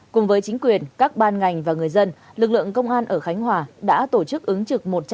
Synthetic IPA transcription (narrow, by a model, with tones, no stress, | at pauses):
kʊ˨˩ŋ͡mvəː˨˦jt͡ɕï˨˦ŋ̟kwi˨˩ənkaː˦˥k̚ɓaː˧nŋa˨˩jŋ̟vaː˨˩ŋɨ˨˩əjzə˧n | lɨ˨˩k̚lɨ̰˧˨əŋkə˧wŋ͡mʔaː˧nʔəː˧˩xa˨˦jŋ̟ɦwaː˨˩ɗa̰ː˧˥t̪o˧˩t͡ɕɨ˦˥k̚ʔɨ˨˦ŋt͡ɕɨ˨˩k̚mo˨˩t̚t͡ɕ